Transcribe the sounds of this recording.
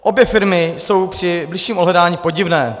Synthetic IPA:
ʔo̞bjɛfɪɾmɪso̞wpr̝̥ɪblɪʃiːmodɦlɛdaːɲiːpo̞ɟɪvnɛː

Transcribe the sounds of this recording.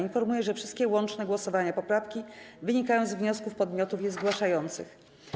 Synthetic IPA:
infɔɾmujɛʐɛfʂɘst̪̚kʲɛwɔnt͡ʂnɛɡwɔsɔvaɲapɔpɾafkʲivɘɲikajɔ̃w̃zvɲɔskufpɔd̪mʲjɔt̪ufjɛzɡwaʂajɔnt̪sɘ̰x

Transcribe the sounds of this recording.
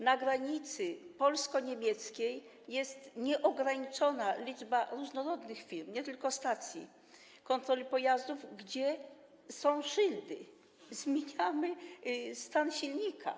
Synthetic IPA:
naɡɾaɲit̪sɘpɔlskɔɲemʲjɛt̪skʲej | jɛst̪ɲɛʔɔɡɾaɲit͡ʂɔnalʲid͡ʐbaɾuʐnɔɾɔd̪nɘxfʲiɾmɲɛt̪ɘlkɔst̪at̪sʲjḭ | kɔnt̪ɾɔlʲipɔjazd̪uvɡd͡ʑɛ | sɔ̃w̃ʂɘld̪ɘ | zmʲjeɲamɘst̪anɕilɲikʰa̰

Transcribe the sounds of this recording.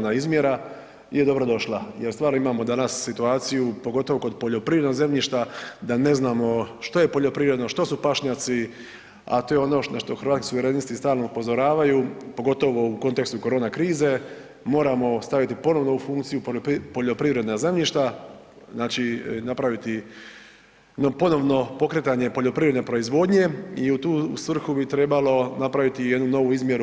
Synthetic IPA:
naizmje̞ɾa | ije̞d̪o̞bɾo̞d̪o̞ʃlajeɾst̪ʋaːɾnoimaːmo̞d̪anasːit̪uaːt̪sijupo̞ɡo̞t̪o̞ʋoko̞d̪po̞ʎo̞pɾiʋɾed̪noze̞mʎiʃt̪ad̪ane̞znaːmo̞ʃt̪o̞je̞po̞ʎo̞pɾiʋɾe̞d̪no̞ʃt̪o̞supaʃɲaːt̪si | a̰t̪oːjeo̞no̞ʃnaʃt̪o̞xɾʋaːt̪ski̥suʋe̞ɾenist̪ist̪aːlˠnoupo̞zo̞ɾaːʋajupo̞ɡo̞t̪o̞ʋo̞uko̞nt̪e̞kst̪uko̞ɾo̞ːnakɾiːze̞ | mo̞ːɾamo̞st̪aʋit̪ipo̞no̞ʋno̞ufuŋkt̪sijuppo̞ʎo̞pɾiʋɾe̞d̪naze̞mʎiʃt̪a | znaːt͡ʃinapɾaʋit̪i | nopo̞no̞ʋno̞po̞kɾet̪aɲe̞po̞ʎo̞pɾiʋɾe̞d̪nepɾo̞izʋo̞ːd̪ɲe̞iut̪uːsʋr̩xubit̪ɾe̞balo̞napɾaʋit̪ijd̪nuno̞ʋuizmje̞ɾu

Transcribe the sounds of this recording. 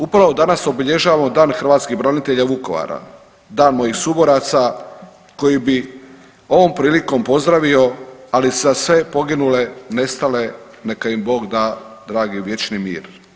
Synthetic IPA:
upɾaʋod̪anaso̞biʎe̞ʒaːʋamo̞d̪aːnxɾ̩ʋaːt̪skiɣbɾanit̪e̞ʎaʋuko̞ʋa̰ɾa̰ | d̪aːnmo̞jixsubo̞ɾat̪sa | ko̞jibi | o̞ʋo̞mpɾiːliko̞mpo̞zd̪ɾaʋio̞aliszasʋe̞po̞ɡinule̞ne̞st̪ale̞ | ne̞kaimbo̞ːɡd̪aːd̪ɾaːɡiʋje̞t͡ʃnimḭːɾ

